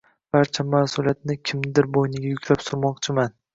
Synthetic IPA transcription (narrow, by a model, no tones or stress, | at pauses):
b̥aɾt͡ʃʰamaːsʊlijat̪̚nɪkʲʰɪmnɪd̪ɪɾbojnɪɡʲajʊkʲʰlapsʊɾmɒqt͡ʃʰɪman